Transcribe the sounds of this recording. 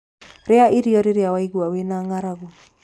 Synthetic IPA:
ɾeaʔiɾiɔɾeɾeawaiɣwawenaŋaɾaɣo

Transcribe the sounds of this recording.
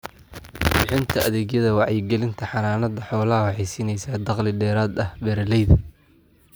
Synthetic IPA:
bɪħɪnt̪ʰɐʔɐðɛːɡjɐðɐwɑʕɛjɡɛlɪnt̪ʰɐħɑnaːnɐd̪ɐħɔːlɐɦɐwɑħɛjsiːnɛjsaːd̪ɑqlɪɖ̪ɛːɾaːd̪ɐhbɛɾɪlɛjðɐ

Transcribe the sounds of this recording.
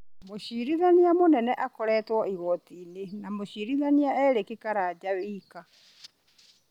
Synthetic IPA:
moɕiːɾiðaniamonɛnɛʔakɔɾɛːtwɔiɣɔtiːnenamoɕiɾiðaniaɛːɾekekaɾaːd͡ʑawiːka

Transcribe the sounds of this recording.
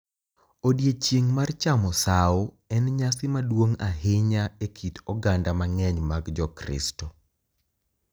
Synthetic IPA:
odjet͡ʃiŋmart͡ʃamɔsao | ɛnɲasɪmadwoŋaɦɪɲaekʰitɔɡandamaŋɛɲmaɡd͡ʒɔkɾɪ̰stɔ

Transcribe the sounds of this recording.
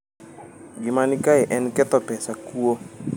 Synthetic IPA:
ɡimanikaɛʔɛnkɛt̪ɔpɛsakuo

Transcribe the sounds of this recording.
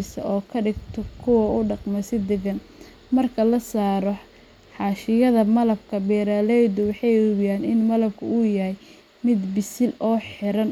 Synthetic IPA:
sɐ̰ʔɔːkʰɐɖɪɡt̪ʰɔkʰʊwɐʊɖɑqmɐsɪd̪ɛɣɐn | mɐrkʰɐlɐsaːɾɔ | ħɑːʃɪjɐðɐmɐlɐb̚kʰɐbɛːɾaːlɛjd̪ʊwɑħɑjʊβjaːnɪnmɐlɐb̚kʰʊʊjɐɦɛj | mɪd̪bɪsɪlɔːħɪɾɐn

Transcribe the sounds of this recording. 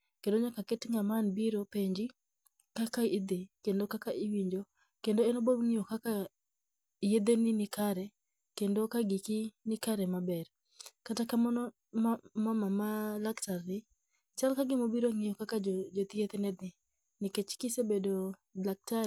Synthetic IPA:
kendoɲakakɪtŋamanbiɾopeɲd͡ʒi | kakaɪd̪ikendokakaɪwiɲd͡ʒo | kendoɛnoboŋijokaka | jed̪eninɪkaɾɛ | kendokaɡikɪnɪkaɾɛmabɛr | katakamɔn | mamamalaktarːɪ | t͡ʃalkaɡɪmobiɾoŋɪjokakad͡ʒot̪iet̪enɛd̪ɪ | nɪket͡ʃkɪsebedolak̚taɾ

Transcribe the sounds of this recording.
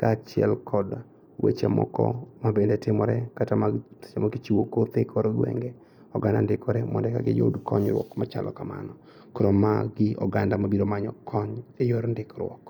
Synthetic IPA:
kat͡ʃɪɛ̰lkʰɔd | wḛt͡ʃa̰mɔ̰kɔ̰mabendɛtɪmɔɾɛkatamḁt͡ʃamaɡit͡ʃiwokoɾt̪ekʰɔɾoɡwɛ̰ŋɡɛ | ɔɡandandɪkɔɾɛmɔndɛkaɡɪ̰jo̰dkɔɲɾwɔ̰kmat͡ʃalɔ̰kama̰nɔ | koɾomaɡɪʔɔɡandamabidomaɲɔkʰɔɲejoɾndɪkɾwɔk

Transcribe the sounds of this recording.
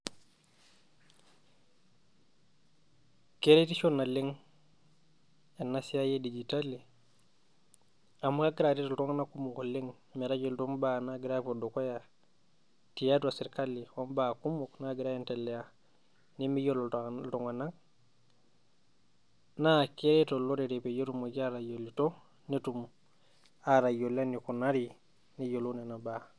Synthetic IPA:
keɾetiʃonːaliŋ | enːasijajedid͡ʒitalːi | amukaɡiɾatitaltuŋanakumukoliŋ | miɾaɟiltombanaɡiɾapodokoja | tijatuasiɾkalːiɔmbakumuknaɡiɾajintalːɛja | nimijoltɔŋɡanaŋ | nakiɾɛtɔlɔɾɛɾɛpɛjetumɔɡaɾajolːitɔ | nitum | aɾajolenikunaɾi | nijolunɛnaba

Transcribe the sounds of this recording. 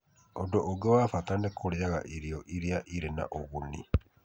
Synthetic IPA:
odoʔoɡewafatanekʰoɾjaɣa̰ʔiɾioʔiɾiaʔiɾena̰ʔoβunḭ

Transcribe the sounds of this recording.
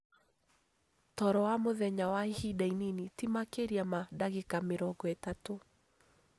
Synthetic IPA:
tɔɾɔwamoðɛɲawaihidaininetimakeɾiamadaɣekameɾɔɡɔɛtato

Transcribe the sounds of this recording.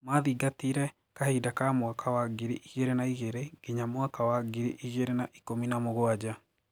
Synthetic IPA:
maðiɡatiɾɛ | kahidakamwakʰawaɡiɾiʔiɣeɾenaiɣeɾeɡ̥eɲamwakawaɡiɾiʔiɣeɾenaʔikominamoɣoaɟa

